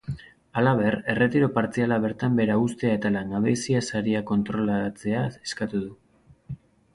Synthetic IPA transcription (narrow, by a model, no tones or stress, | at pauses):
alaβ̞e̞re̞re̞t̪iɾo̞paɾt͡sialaβ̞e̞ɾt̪ambe̞ɾaust̪e̞ae̞t̪alaŋɡaβesiasaɾiako̞nt̪ɾo̞lat͡se̞aeskat̪uðu